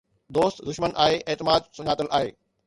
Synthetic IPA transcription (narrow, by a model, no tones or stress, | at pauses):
d̪oːst̪d̪ʊʃmənʔa̰ːɦeʔeːt̪ɪmaːd̪sʊɲaːt̪əlʔaːɦḛː